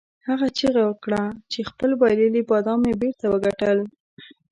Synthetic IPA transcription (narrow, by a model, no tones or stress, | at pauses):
haɣat͡ʃiɣawəkɽat͡ʃexpəlbɑjlelibɑd̪ɑmebeɾt̪awəɡaʈəl